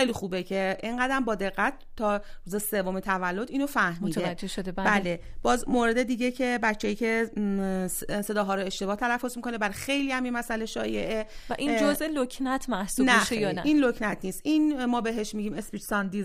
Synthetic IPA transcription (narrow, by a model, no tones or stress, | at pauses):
xejlixuːbe̞cʰeʔeŋɢæd̪æmbɒːd̪e̞ɣːæt̪̚ | t̪ʰːɒːɾuːzese̞vomet̪ʰævælːo̞d̪iːnofæhmiːt̪ʰed͡ʒd͡ʒːeʃod̪ebæle̞b̥ɒːzmoɾe̞d̪e̞d̪iɟecʰe̞bæt͡ʃʰːejiːcʰe̞ | se̞d̪ɒːɦɒːɾoeʃt̪e̞bɒːht̪ʰælæfːozmikʰonebæɾxe̞jlihæmjimæsæleʃɒːjeʔevæʔind͡ʒozelocʰnæt̪ʰmæhsunæʃejɒnæʔiːnlocʰnæt̪ʰniːst̪ʔinmɒːbe̞ɦeʃmiɟiːmespit̪sɒnd̪iz